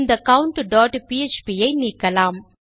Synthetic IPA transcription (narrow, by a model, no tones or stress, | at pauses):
nd̪ɐɐkɐwʊɳʈɖaːʈpiɛt͡ʃpijɐɪniːkːɐlaːm